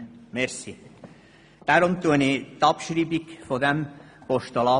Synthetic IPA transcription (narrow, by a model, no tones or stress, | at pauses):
mɛɾsi | d̪̥æɾʊmt̪uənit̪ɑpʃɾiːbikfod̪ɛm | pɔʃt̪ɔlɑ